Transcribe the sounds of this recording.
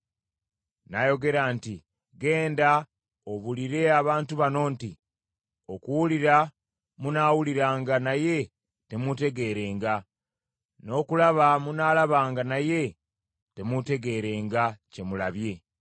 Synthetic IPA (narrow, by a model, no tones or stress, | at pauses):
najo̞ɡe̞ɾaːnti | ɡe̞ːnda | o̞βuliɾe̞aβaːntuβano̞ːnti | o̞kuwuliɾa | munaːwuliɾaːŋɡanaje̞ | te̞mute̞ɡe̞ːɾe̞ːŋɡa | no̞ːkulaβamunaːlaβaːŋɡanaje̞ | te̞mute̞ɡe̞ːɾe̞ːŋɡace̞mulaβje̞